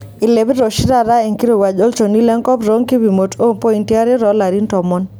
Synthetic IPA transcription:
ɪ˨le˨bɾo˨ʃɪ˦ɾa˦˨ɾa˦e˨ŋki˦ɾo˨wa˨d͡ʒo˦lt͡ʃo˨ni˦lɛ˦ŋkɔ˦pɾo˦ŋki˦bi˨mo˨to˦ŋpo˦i˨nti˦a˦ɾɪ˦ɾɔ˨˦la˨ɾi˦ntɔ˨mɔ˦n

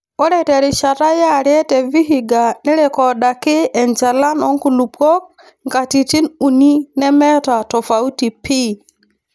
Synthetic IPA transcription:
ɔ˦ɾɛ˦tɛ˨ɾɪ˨t͡ʃa˨ta˦ja˦˨ɾjɛ˦tɛ˨vi˦ɦi˨ɡa˨nɪ˦ɾɛ˨kɔ˨da˨kɪ˦ɛ˨nd͡ʒa˨la˦nɔ˨˦ŋku˨lu˨pɔ˦k̚ | ŋɡa˨ti˨ti˦nu˨ni˦nɛ˦mɛ˦ta˨tɔ˨fa˨u˦ti˨pi˦

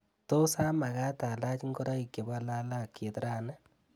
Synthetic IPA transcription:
to˦sa˦ma˨ɣa˦ta˨la˦t͡ʃŋɡo˦ɾa˦i˨ke˨βa˦la˦la˦ke˨tɾa˦na˦

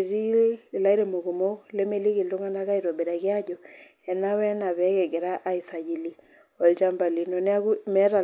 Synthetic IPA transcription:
ɾi˦˨la˦i˦ɾe˨mo˨ku˨mo˦le˦me˦li˦ki˨ltu˦ŋa˦na˦ka˦i˨ɾo˨be˨ɾa˨kɪ˦a˦d͡ʒɔ˨ | ɛ˨na˦wɛ˦na˨βɛ˨˦ke˨ɡe˨ɾa˦ʔa˦i˨sa˨d͡ʒi˨li˦ | ɔ˨lt͡ʃa˦mba˨li˨nɔ˨nɛ˦a˦ku˦mɛ˦ɾa˨

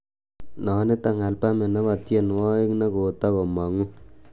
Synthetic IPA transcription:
nɔ˨˦nɪ˦ta˨ŋa˨lpa˦me˨na˦wa˨tje˦˨nwɔ˦ɪ˦ŋna˦ko˨ta˦ko˨ma˨ŋu˦

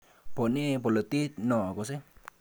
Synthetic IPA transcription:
po˨nĩ˦po˨lo˨t̪i˦t̪nɔ̃˨ko˨se˦

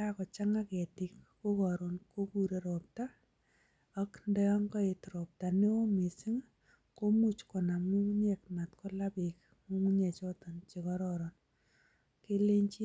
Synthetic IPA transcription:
akɔ˨t͡ʃa˦ŋa˦kɛ˨tɪ˨kko˦kɔ˨ɾɔ˨nko˦ku˨ɾe˨ɾop̚ta˦ | a˦kndɛ˦ɔ˦ŋkɔ˦e˨tɾo˨p̚ta˨ne˦o˦mi˨si˦ŋ | ko˦mu˦t͡ʃkɔ˨na˨mu˦ŋɲek̚ma˨tko˦la˦pɪk̚ | mu˦ŋɲe˨t͡ʃɔ˦tɔ˨nt͡ʃe˨kɔ˦ɾɔɾɔ˨n | ke˦le˦ɲt͡ʃi˦

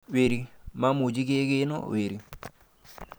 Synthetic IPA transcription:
we˨ɾi˨ma˦mo˨d͡ʒi˦ɡe˦ɡe˦nɔ̰˦we˨ɾi˨

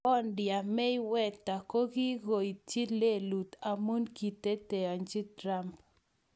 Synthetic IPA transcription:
ɔ˦ndja˨mɛ˦i˦wɛ˦t̪ːa˨ko˦ɡi˦ɡo˨i˨t͡ʃi˦le˦lu˨t̪a˨mu˦nki˨t̪e˦t̪e˨a˨nd͡ʒi˦t̪ɾa˦mp

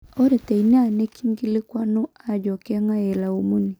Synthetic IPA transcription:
o˦ɾe˨te˨i˨n˦a˨ne˦kʰi˦ŋɡi˦lɪ˦kwa˦no˦a˦˨d͡ʒɔ˨kɛ˦ŋa˦e˨la˨u˦mu˦ni˨

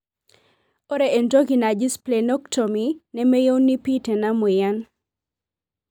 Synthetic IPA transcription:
o˦ɾe˨ʔe˨nto˦ɡi˨na˨d͡ʒɪ˦sple˨nɔ˦ktʰo˨mi˨nɛ˦mɛ˦jo˦wnːi˦pi˦tɛ˨na˦mʊ˨ja˦n

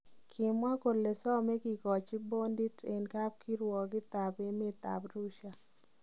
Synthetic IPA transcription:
kʰɪ˨mwa˦ko˨le˨sɔ˦mɛ˦ɡɪ˨ɡɔ˨t͡ʃi˦bo˦ndi˦te˨nka˦p̚kʰi˦ɾwɔ˨ɡɪ˦t̪a˨be˦mɪ˦t̪a̰˨bɾu˦ʃa˨

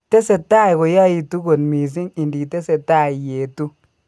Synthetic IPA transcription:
te˦se˨ta˦˨jko˨ja˦ji˨tu˦ɡo˨nmi˨s̬i˦ŋi˨ndi˨te˦se˨ta˦˨i˨je˨tu˦

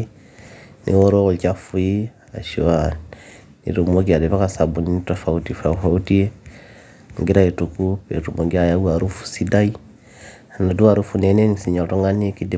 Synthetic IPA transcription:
nʔḭ˦wo˦ɾo˦ɣo˨lt͡ʃa˦fu˦i˦ | a̰˨ʃoa | nḭ˨ɾu˨mo˦ɡi˨a˨dɛ˨βa˦ka˨sa˨bu˨ni˦nitafa˨utifa˨fa˨u˦ti˦e˦ | ŋ˨ɡi˦ɾa˦i˨tu˨ku˦pḛ˨tumo˨ɡi˦aja˦u˦a˨ɾu˦fu̥si˦da˦i˦ | a˨na˨du˦wa˨ɾu˦fu˨ne˨ne˦ŋisi˨ɲa˨to˦ŋɡa˦ni˦ki˦di˦

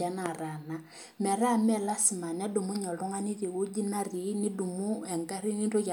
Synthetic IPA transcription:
a˨na˨ɾa˨na˨ | mɛ˨ɾa˦˨mɛ˦˨la˦si˨ma˨n˦a˦du˨mu˦ɲɔ˨lɔ˦ŋa˦ni˦ði˨ɣo˦d͡ʒi˦na˦ri˨˦ni˦du˨mu˦ɛ˨ŋɡa˦ɾi˦ni˦nto˦t͡ʃa˨

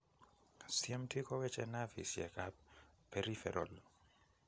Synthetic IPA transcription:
siɛ˦mtʰi˦kɔ˦wɛ˦t͡ʃɛ˦na˦vḭ˨sjɛ̰˨kap̚pːɛɾifɛ̰˨ɾʔɔ̰˨l

